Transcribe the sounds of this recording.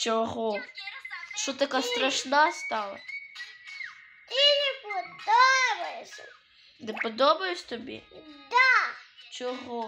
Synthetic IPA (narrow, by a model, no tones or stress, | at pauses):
t͡ʃɔɦɔ | ʃɔt̪ɐkast̪ɾɐʂnast̪ɑlˠɐ̰ | t̪ɪnʲɛpɔd̪ɔbɐjesʲɐ̰ | nɪpɔd̪ɔbɐjʊsʲt̪ɔbʲḭd̪at͡ʃɔɦɔ